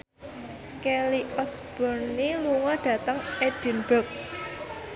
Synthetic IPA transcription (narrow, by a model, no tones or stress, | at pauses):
kɛliʔɔsb̥ɔrniluŋɔɖ̥ä̤t̪əŋɛd̥inb̥ək̚